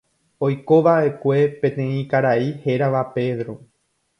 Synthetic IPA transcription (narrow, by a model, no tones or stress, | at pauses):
o̞jko̞ʋae̞kʷe̞pẽ̞t̪ẽ̞ĩkaɾaihe̞ɾaʋape̞ðɾo